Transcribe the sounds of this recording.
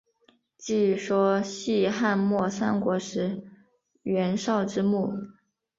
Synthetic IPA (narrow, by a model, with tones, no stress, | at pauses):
t͡ɕi˥˩ʂwɔ˥ɕi˥˧xa˥˧nmwɔ˥˩sa̰˥nkwɔ˧˥ʂɻ̩˧˥ | ɥɛ˧˥nʂɑ˥˩ʊʈ͡ʂɻ̩˥mu˥˩